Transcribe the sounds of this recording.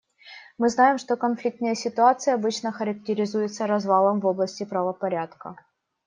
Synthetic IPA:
mɨznajɪmʂt̪o̞kɐnflʲik̚t̪nəjəsʲɪt̪ʊat̪sɨjəɐbɨt͡ɕnəxəɾək̚tʲɪɾʲɪzujɪt̪səɾɐzvalˠəmvo̞blˠəsʲtʲɪpɾəvəpɐɾʲat̪kə̰

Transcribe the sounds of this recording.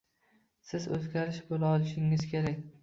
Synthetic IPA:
sɪzɵ̰zɡʲaɾɪʃbolaɒlˠɪʃɪŋɪz̥kʲʰeɾakʲ

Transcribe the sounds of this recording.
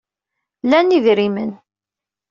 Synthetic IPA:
lænivɾimə̰n

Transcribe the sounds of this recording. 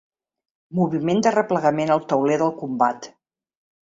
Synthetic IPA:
muβimend̪ərəpləɣəmenəlˠt̪əwleðəlˠkumbat̪

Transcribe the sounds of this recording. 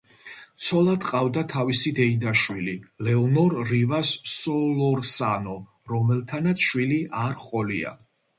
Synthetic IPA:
t̪sʰɔlˠad̪qʼavd̪at̪ʰavisid̪ɛid̪aʃwililɛɔnɔɾːivasːɔlɔɾsanɔ | ɾɔmɛlˠt̪ʰanat̪sʰʃwiliʔaɾχʼɔlia̰

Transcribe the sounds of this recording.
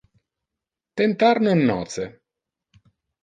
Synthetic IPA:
t̪ent̪aɾnoinːɔ̰ːt̪se

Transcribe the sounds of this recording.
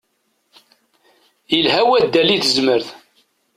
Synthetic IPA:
jəlɦæwæd̪ːælːiθəzməɾθ

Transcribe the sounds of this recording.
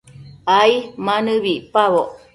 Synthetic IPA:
aimanɨβipaβoʔ

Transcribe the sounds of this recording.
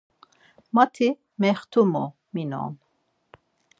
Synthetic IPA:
mat̪ʰi | mɛχt̪ʰumo | minɔ̰ːn

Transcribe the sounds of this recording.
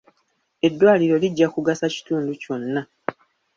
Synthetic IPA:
e̞dːwaːliɾo̞liɟːakuɡasaci̥tuːnduco̞nːa

